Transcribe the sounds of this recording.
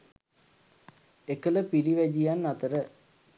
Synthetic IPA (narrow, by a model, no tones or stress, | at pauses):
ekələpiɾiʋæd͡ʒijanːat̪əɾə